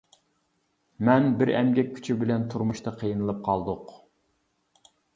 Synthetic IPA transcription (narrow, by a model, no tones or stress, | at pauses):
mɛnbɪɾɛ̰mɡʲɛk̚ʲʰːy̥t͡ʃʰibɪlɛnt̪ʰuɾmuʃt̪ɑqʰijɨnɨlˠɨp̚qʰɑlˠd̪ʊq